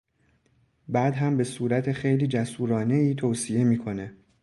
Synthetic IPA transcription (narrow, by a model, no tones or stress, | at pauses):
bæːd̪ɦæmbe̞suːɾæt̪ʰexe̞jliːd͡ʒæsuːɾɒːne̞iːt̪ʰoːsie̞miːkʰo̞ne̞